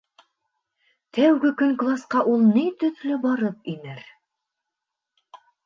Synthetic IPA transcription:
t̪æwɡɘkɵŋklˠasqɑʔulˠnit̪ɵ̆ðlɵbɑɾɤpinɘɾ

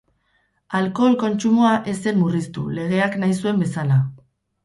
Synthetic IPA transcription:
alko̞lko̞nt͡ʃumoaʔe̞se̞nmurist̪ule̞ɣ̞e̞aknajsue̞mbe̞sala

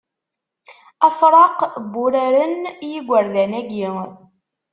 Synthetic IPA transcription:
æfɾˤɑqbːʊɾaɾənjiɡʷːəɾðænæɡi

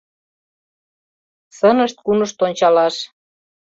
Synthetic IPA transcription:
sənəʃt̪̚kunəʃt̪onʲt͡ɕɑlɑʃ

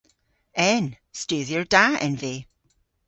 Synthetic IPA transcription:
ɛn | stʉːðjəɹd̥aɛ̰̃nveː

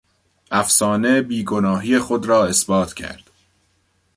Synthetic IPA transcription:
ʔæfsɒːne̞biːɡo̞nɒːɦiːjexod̪ɾɒːe̞sbɒːt̪ʰcʰæ̰ɾd̪̥

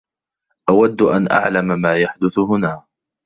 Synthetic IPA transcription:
ʔawad̪ːʔanʔa̰ʕlammaːjaħd̪ʊθʊɦʊnaː

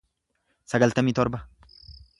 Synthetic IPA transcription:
sɐɡɐlt̪ɐmiːt̪ɔɾbɐ

